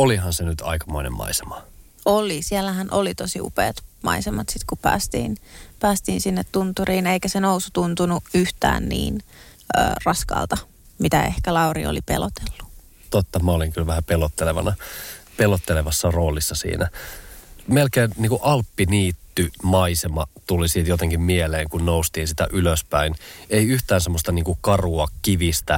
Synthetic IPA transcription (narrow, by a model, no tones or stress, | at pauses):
olihɑnsenyt̪ɑ̰ikɑmoinḛmːɑ̰isemɑ | olisielːæɦænʔolit̪osiṵpḛːt̪mɑ̰isemɑt̪sit̪kupæ̰ːst̪ḭːnpæːst̪iːnsinːet̪tunt̪uriːneikæsenousut̪unt̪unuyht̪æ̰ːnnḭːn | ø̰ːrɑskɑ̰ːlt̪ɑ | mit̪æḛhkælɑurḭo̰lipḛlot̪elːu̥ | t̪ot̪ːɑmæoliŋkylʋæhæpelot̪ːeleʋɑ̰nɑpelot̪ːeleʋɑsːɑro̞ːlisːɑsḭːnæ | melkeːnniːŋkuʔɑlpːiniːt̪ːymɑisemɑt̪ulisiːt̪jot̪eŋkimmieleːŋkunnoust̪iːnsit̪æ̰ʔyløspæineiyht̪æːnsemːost̪ɑniːŋkukɑruɑkiʋist̪æ